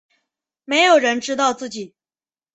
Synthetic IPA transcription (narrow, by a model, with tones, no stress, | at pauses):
me˧˥ɪjo˨˩ʊɻə˧˥nʈ͡ʂɻ̩˥t̪ɑ˥˧ʊt͡sɹ̩˥˩t͡ɕi˨˩˦